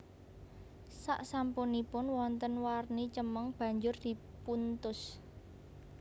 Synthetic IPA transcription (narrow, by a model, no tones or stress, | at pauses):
saʔsampunipʊnwɔnt̪ənwarnit͡ʃəməŋb̥ä̤ɲd͡ʒʊrd̪̥i̤punt̪ʊs